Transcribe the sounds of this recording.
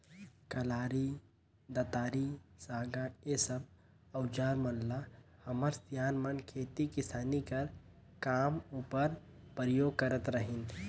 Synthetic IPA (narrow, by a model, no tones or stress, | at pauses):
kəlaːɾi | d̪ət̪aːɾisaːɡaesəb | əʊd͡ʒaːɾmənlahəməɾt̪jaːnmənkʰeːt̪ikɪsaːnikəɾ | kaːmupəɾ | pɾəjoːɡ̚kəɾət̪ɾəɦin